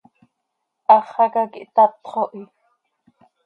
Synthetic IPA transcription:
ʔɑχɑkakiʔt̪ɑt̪χoʔi

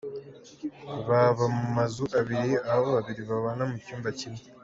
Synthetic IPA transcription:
βaβamumazuʔaβiɾiahaβoβaβiɾiβaβanamucuːmbacimi

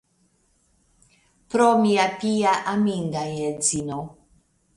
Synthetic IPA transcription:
pɾomiapijaʔamiŋɡajɛd͡zino

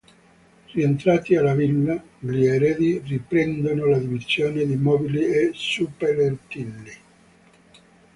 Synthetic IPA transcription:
rient̪ɾaːt̪ialːavilːa | liɛɾɛːd̪iripɾɛnd̪onolad̪ivizjoːned̪imɔːbiliesupeɾert̪ilːi

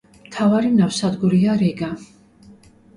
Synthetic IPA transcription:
mt̪ʰavaɾinafsad̪ɡuɾiaɾɛɡa

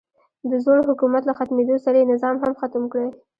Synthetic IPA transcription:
d̪əzoɽhʊkumat̪laxat̪med̪osaɾaenɪzɑmɦamxat̪əmkɽə

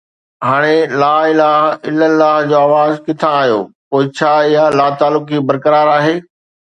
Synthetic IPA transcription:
ɦaːɽ̃elaːɪlaːɦɪləlːaːɦd͡ʑoːaːʋaːzkɪt̪ʰãːɦijo̰ːpoːɪt͡ɕʰaːɪɦalaːt̪aːlʊkibɐɾkəɾaːɾaːɦeː

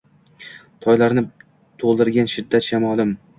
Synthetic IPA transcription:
t̪ʰɒjlaɾnɪ | t̪ʰolˠd̪ɪɾɡʲanʃɪd̪ːat̪ʃamɒlˠɪm

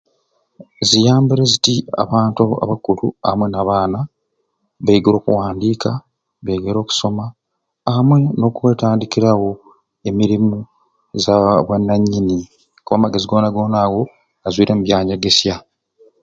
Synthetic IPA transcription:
zijaːmbiɾe̞zitia̰βaːntua̰βakulua̰mwe̞naβaːna | βeiɡeɾo̞ːkuwaːndiːka | βeɡeɾo̞ːku̥so̞maː | mwe̞no̞ːkuwe̞ːtaːndikiɾawo̞ | e̞miɾimu | zaβwenːaɲːini | kuβamaɡeziɡo̞ːnaɡo̞ːnaːɣo̞ | ɡazwiːɾe̞muβjaːɲeɡe̞sja

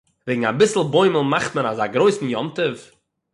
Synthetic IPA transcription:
veɪɡŋ̩abɪsl̩ˠboɪməlˠmaχtmənazaɡɾoɪsn̩jɔntəf

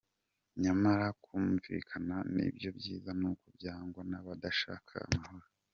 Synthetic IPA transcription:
ɲamaɾakuːmvḭːkʰananḭbjo̞bjiːzanukubjaːŋɡwanaβadaʃa̰ːkʰa̰ːmaho̞ɾo

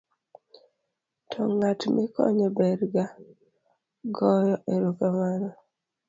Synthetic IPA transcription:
tʰɔŋatmɪkɔ̰ɲɔbɛɾɡa | ɡɔjɔʔeɾokamaɾɔ

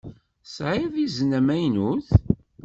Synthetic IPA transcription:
sʕiðiznæmæjnuθ

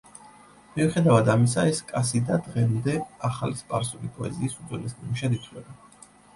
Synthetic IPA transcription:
miuχɛd̪avad̪amis̬aɛskʼasid̪ad̪ʁɛmd̪ɛaχalispʼaɾsulipʼɔɛziːsud̪zwɛlɛsnimuʃad̪it̪ʰlɛba

